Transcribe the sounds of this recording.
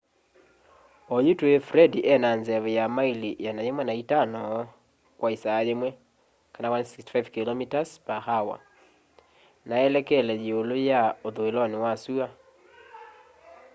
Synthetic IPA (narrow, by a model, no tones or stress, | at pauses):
ɔjutwuefɾɛdiʔɛnanzɛβɛjamailijanajemwɛnaitanɔ | kwaisaːjemwɛ | kanawansikstfajvkilɔmitaspahawa̰ | naɛlɛkɛlɛjeolojaoðoelɔnewasua